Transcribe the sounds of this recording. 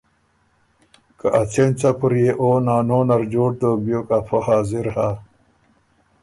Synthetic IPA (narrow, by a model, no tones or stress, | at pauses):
kɐʔat͡ɕʰent͡sapuɾjeʔoːnaːnoːnɐɾd͡ʑoːʈ̚d̪oːbjoːkapʰohaːziɾha